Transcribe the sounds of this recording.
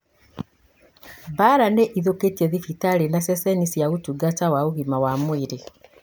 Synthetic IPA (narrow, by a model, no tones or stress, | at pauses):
baɾaneʔiðoketjɛðifitalenasɛsɛnisjaɣutuɡat͡ʃawauɣimawamwiɾe